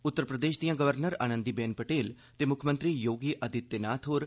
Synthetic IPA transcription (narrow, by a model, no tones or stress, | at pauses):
ʊt̪ːəɾpɾəd̪eːʃd̪ijãɡəʋəɾnəɾa̰ːnə̃nd̪ibɛːnpəʈeːl | t̪emʊkʰmə̃nt̪ɾijoːɡiʔɐd̪ʱɪt̪jənaːt̪ʰɦoːɾ